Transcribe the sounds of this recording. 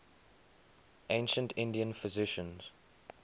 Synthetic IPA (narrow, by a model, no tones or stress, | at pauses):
ʔẽɪ̃nʃə̃ntʰɪ̃ndiə̃nfɪzɪʃə̃nz̥